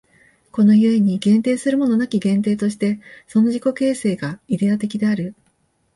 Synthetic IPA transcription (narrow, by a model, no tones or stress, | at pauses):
ko̞no̞jɯ̟e̞ɲ̟iɡẽ̞nt̪e̞ːsɨɾɯ̟mo̞no̞nakʲiɡẽ̞nt̪̬e̞ːt̪o̞ɕi̥t̪e̞so̞no̞ʑiko̞ke̞ːse̞ːɡaid̪e̞at̪e̞kʲid̪e̞aɾɯ̟